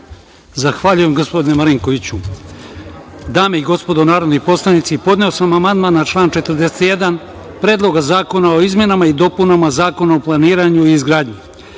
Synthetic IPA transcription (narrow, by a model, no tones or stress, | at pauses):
zaxʋaʎuje̞mɡospo̞d̪inemaɾiŋko̞ʋit͡ɕu | d̪aːmeiɡo̞spo̞d̪onaːɾo̞d̪nijpo̞slˠanit̪sipo̞d̪ne̞o̞samamand̪maːnːat͡ʃlˠaːnt͡ʃet̪ərd̪e̞set̪je̞d̪an | pɾe̞ːd̪lˠo̞ɡazaːko̞nao̞izmje̞namaid̪o̞punamazaːko̞naoplˠaniːɾaɲuiːzɡɾaːd̪ɲi